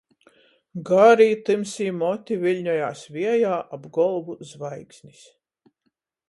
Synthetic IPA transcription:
ɡaːɾiːt̪ɨmsiːmɔt̪ʲivilʲɲɔjaːsvʲiɛjaːʔabɡɔlˠvuzvajksʲnʲis

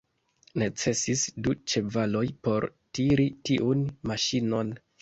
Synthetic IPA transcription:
ne̞t͡se̞sisdut͡ʃe̞valo̞jpo̞ɾtiɾitiʔunmaʃino̞n

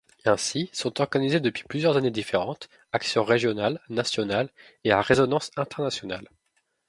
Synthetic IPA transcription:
ɛ̃sisɔ̃t̪ɔʁɡanized̪əpɥi̥plyzjœʁzaned̪ifeʁɑ̃t̪ | aksjɔ̃ʁeʒjɔnalnasjɔnal | eaʁezɔnɑ̃sɛ̃t̪ɛʁnasjɔna̰l

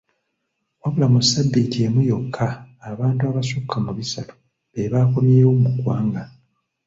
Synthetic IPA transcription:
waβulamusːabːitie̞mujo̞kʰːaːβaːntuaβasukʰːamuβisatu̥ | βeβaːko̞mjeːwomukwaːŋɡa

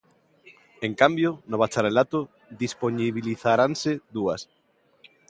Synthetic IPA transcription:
eŋkambjonoβat͡ʃaɾelat̪ʊ | ðisponiβiliθaɾanseðuɐs

